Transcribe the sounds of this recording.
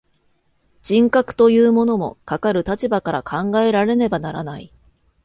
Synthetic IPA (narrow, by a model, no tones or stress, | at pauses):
d͡ʑ̥ĩŋkakɯ̟̥t̪o̞jɯ̟ːmo̞no̞mo̞̰kakaɾɯ̟t̪at͡ɕibakaɾa̰kʰãŋɡae̞ɾaɾe̞ne̞banaɾa̰nai